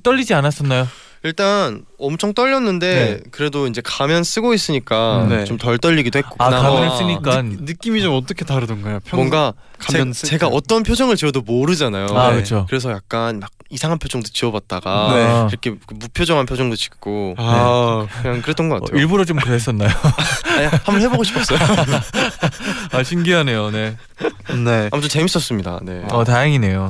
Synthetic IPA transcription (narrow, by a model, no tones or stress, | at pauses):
t͈ʌʎːid͡ʑianas͈ʌnːajo | iɭt͈anʌmt͡ɕʰʌŋt͈ʌʎːʌnːɯnde̞kɯɾe̞doind͡ʑe̞kamjʌns͈ɯɡois͈ɯɲik͈anet͡ɕomtʌɭt͈ʌʎːiɡidohetk͈oaaasɯɲik͈anɯk͈imit͡ɕomʌt͈ʌkʰetaɾɯdɯnɡʌjopʰmwʌŋɡa | kamjʌnt͡ɕe̞ɡaʔʌt͈ʌnpʰjod͡ʑʌŋɯɭt͡ɕiʌdomoɾɯd͡ʑanajoaeɯt͡ɕʰokɯɾe̞s̬ʰʌjak̚k͈anmaɡ̚isʰaŋɦanpʰjod͡ʑʌŋdot͡ɕiʌbat̚t͈aɡaneiɾʌkʰe̞kɯmupʰjod͡ʑʌŋɦanpʰjod͡ʑʌŋdot͡ɕi̥k̚k͈oekɯɲaŋkɯɾe̞t͈ʌnɡʌk͈a̰ejiɭbuɾot͡ɕomkɯɾeɦes͈ʌnːajoɲhambʌnɦeboɡoɕʰipʰʌs͈ʌjo | aɕʰinɡiane̞jone̞ | ne̞amot͈ot͡ɕe̞mis͈ʌs͈ɯmɲida̰ne̞ʌtajaŋine̞jo